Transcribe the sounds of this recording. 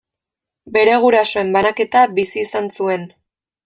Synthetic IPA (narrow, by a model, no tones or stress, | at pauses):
be̞ɾe̞ɣ̞uɾaso̞e̞mbanake̞t̪abisiːsansue̞n